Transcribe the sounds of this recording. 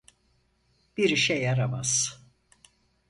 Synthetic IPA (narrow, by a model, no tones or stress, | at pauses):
b̥iɾiʃɛjaɾama̰z̥